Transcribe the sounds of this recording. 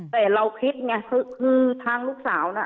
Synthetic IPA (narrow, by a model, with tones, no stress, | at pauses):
t̪ɛː˧˨˩ɾa˧wkʰi˦˥t̪̚ŋa˧˩kʰɯ˧˩kʰɯː˧t̪ʰaː˧ŋluː˥˩k̚saː˩˦wna˧˩